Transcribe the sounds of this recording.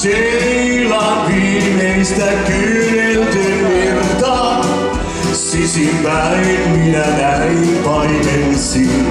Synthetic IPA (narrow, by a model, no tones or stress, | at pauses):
se | ilɑʋimeist̪ækynelt̪ynːert̪ɑ | sisimpæinminænæimpɑinelsin